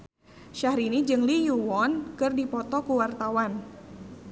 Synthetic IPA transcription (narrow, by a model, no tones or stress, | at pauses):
ʃahɾinid͡ʒɨŋlijuwɔnkɨrdipɔt̪ɔkuwart̪awan